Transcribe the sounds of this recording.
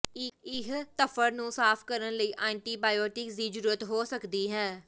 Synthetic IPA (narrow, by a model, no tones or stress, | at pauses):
ɪɦt̪əfʰəɾnũːsaːpʰkəɾənləiːʔaːɳʈiːbaːjɔːʈɪkziːd͡ʒəɾuːɾət̪ɦoːsəkd̪iːɦɛː